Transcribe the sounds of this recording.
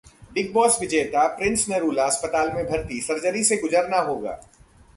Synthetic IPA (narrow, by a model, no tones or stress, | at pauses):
ɖɪk̚bɔːsʋɪd͡ʒeːt̪apɾɪ̃nsneɾuːlaɐspət̪aːlmẽbʱɐɾt̪isɐɾd͡ʒəɾiseɡʊd͡ʒəɾnaɦoːɡa̰ː